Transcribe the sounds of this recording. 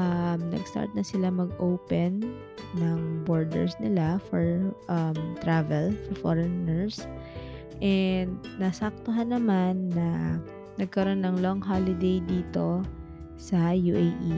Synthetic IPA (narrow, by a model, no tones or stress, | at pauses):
ʔɐmnɐ̰ɡst̪a̰ɹt̪̚nɐsɪlamɐɡʔowpɛnː | ɐŋboɹd̪ɛ̰ɹsnɪlafɔɹʔɐmt̪ɾavɛlfɔɹfo̰ɹɛnɛɹs | ʔɛnd̪̚nɐsak̚t̪oɦanːɐmanːɐ | nɐɡ̚kɐɾo̞nːɐŋloŋɦalɪd̪ejd̪iːt̪o̞ | sɐjuʔejʔi